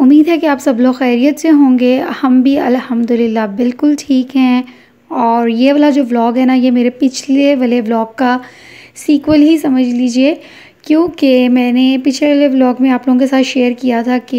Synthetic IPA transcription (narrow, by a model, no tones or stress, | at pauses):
ʊmːiːd̪ɦɛkeaːpsɐbloːxɛːɾijət̪seɦõːŋɡehɐmbʱiɐ̰lhɐmd̪ʊlɪlːabɪlkʊlʈʰiːkɦɛ̃ː | ɔːɾjeʋɐlad͡ʒoːblɔːɡɦɛnajemeːɾepɪt͡ʃʰleʋɐleblɔːɡkasiːkʋəlɦisɐməd͡ʒʱliːd͡ʒieː | kjõːkemɛ̃ːnepɪt͡ʃʰleʋɐleblɔːɡmẽaːploːɡõkesaːt̪ʃeːəɾkijat̪ʰake